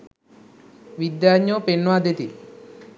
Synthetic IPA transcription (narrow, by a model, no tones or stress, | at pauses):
ʋid̪jaɲoːpenːʋad̪et̪i